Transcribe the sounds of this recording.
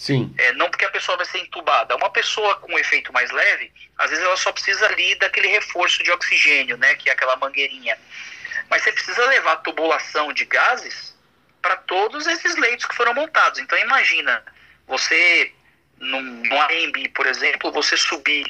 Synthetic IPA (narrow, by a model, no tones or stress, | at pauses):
sĩɛnɐ̃w̃pʊɾkeɐpesoɐvajseɾẽt̪ubad̪ɐũmɐpesoɐkõefejt̪ʊmajzlɛvɪ | a̰zvezɪzɛlɐsɔpɾɪsizɐalid̪akelɪhefoɾsʊd͡ʒɪoksiʒẽnjʊnɛkɪɛakɛlɐmɐ̃ŋɡeɾĩɲɐ | mɐsepɾɪsizɐlevaɾt̪ubulasɐ̃w̃d͡ʒɪɡazɪs | pɾɐt̪od̪ʊzesɪzlejt̪ʊ̥skɪ̥foɾɐ̃w̃mõnt̪ad̪ʊzẽt̪ɐ̃w̃imaʒĩnɐ | vose | nũnũaẽmbipoɾezẽmplʊvosesubi